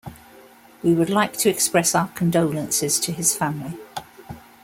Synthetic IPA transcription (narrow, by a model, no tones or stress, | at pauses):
wiwədˡlaɪk̚tʰəɛkspɹɛsaʊəkʰə̃ndəʊlə̃nsɪz̥tʰəɪz̥fãmli